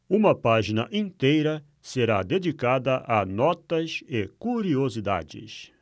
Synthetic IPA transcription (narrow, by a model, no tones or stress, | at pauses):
ũmɐpaʒinɐʔĩnt̪ejɾɐ | seɾad̪ed͡ʒikad̪ɐʔɐnɔt̪ɐsekuɾiozid̪a̰d͡ʒɪ̰s